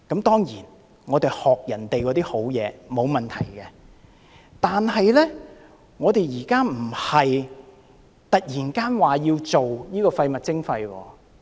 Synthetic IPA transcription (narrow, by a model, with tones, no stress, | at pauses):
kɐ˨˥mt̪ɔː˥ŋjiː˨˩n | ŋɔː˨˧t̪e˨jhɔː˨k̚jɐ˨˩nt̪e˨jkɔː˨˧t̪iː˥ho˨˥wjɛ̰ː˨˧mo˨˧wmɐ˨nt̪ʰɐ˨˩jkɛ˧ | t̪aː˨nhɐ˨jlɛː˥ | ŋɔː˨˧t̪e˨jjiː˨˩kaː˥m̩˨˩hɐ˨j | t̪ɐ˨k̚jiː˨˩nkaː˥nwaː˨jiː˧wt͡so˨wjiː˥kɔː˧fɐ˧jmɐ˨t̚t͡sɪ˥ŋfɐ˧jwɔ̰ː˧